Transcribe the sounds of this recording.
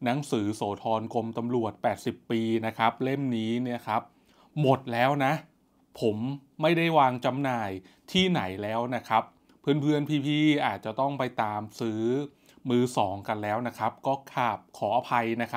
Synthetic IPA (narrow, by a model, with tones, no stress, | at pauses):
na˦˥ŋsɯː˩˦soː˩˦t̪ʰɔː˧nko˧mt̪a˧mɾu˨˩ət̪̚pɛː˨˩t̪̚si˨˩pːiː˧na˦˥kʰa˦˥p̚le˥˩mniː˦˥ni˥˩ɐəkʰa˦˥p̚ | mo˨˩t̪̚lɛː˦˥wna˦˥ʔ | pʰo˩˦mːa˥˩jda˥˩jwaː˧ŋt͡ɕa˧mnaː˨˩jt̪ʰiː˥˩na˩˦jlɛː˦˥wna˦˥kʰa˦˥pʰː | ɯ˥˩ənpʰɯ˥˩ənpʰiː˧pʰiː˧˩ʔaː˨˩t̪̚t͡ɕa˨˩t̪ɔ˥˩ŋpa˧jt̪aː˧msɯː˦˥ | mɯː˧sɔː˩˦ŋka˧nlɛː˦˥wna˦˥kʰa˦˥p̚kɔː˥˩kʰaː˨˩p̚kʰɔː˩˦ʔa˧pʰa˧jna˦˥kʰa˦˥